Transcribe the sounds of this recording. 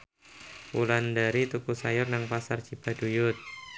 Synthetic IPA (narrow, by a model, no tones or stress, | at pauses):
ulandaɾit̪ukusajʊrnaŋpasart͡ʃib̥adujʊt̪̚